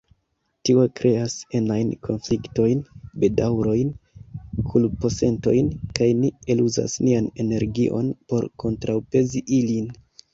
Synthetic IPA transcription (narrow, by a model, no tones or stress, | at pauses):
tio̞kɾe̞ase̞najnkʰo̞nflikto̞jnbedawɾo̞jn | kʰulpo̞se̞nto̞̰jnkajnie̞luza̰sniane̞ne̞ɾɡiʔo̞̰npo̞ɾkʰo̞ntɾawpe̞ziʔilin